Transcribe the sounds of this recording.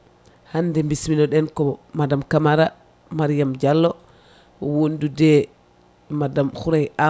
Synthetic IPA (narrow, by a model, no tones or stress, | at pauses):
handɛmbisminɔɗɛnkɔmadamkamaɾa | maɾijamd͡ʒalːɔ | wondudɛ | madamxuɾajʔa